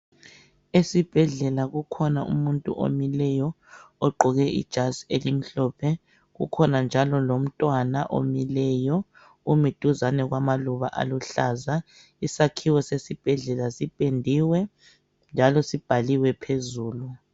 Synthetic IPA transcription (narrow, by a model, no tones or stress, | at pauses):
esib̥ʱɛɮɛlaɣukʰɔnaṵmuntʼṵʔo̰milɛjɔ | ɔɡ͡ǃʱɔɣɛḭd̥ʒ̥ʱazelim̩ɬɔːpʰɛ | ɣṵkʰɔnand͡ʒʱalɔlom̩tʼwanaʔo̰milɛːjɔ | umid̥ʱuzanɛɣwamaluβa̰ʔa̰luɬaːza | isakʰiwɔsesib̥ʱɛɮɛlasipʼendʱiwɛ | nd͡ʒʱalɔsib̥ʱaliwɛpʰezuːlu